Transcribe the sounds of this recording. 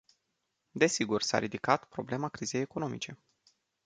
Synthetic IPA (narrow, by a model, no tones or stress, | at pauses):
d̪e̞siɡursa̰ɾid̪ikat̪pɾo̞ble̞makɾize̞jeko̞no̞mit͡ʃe̞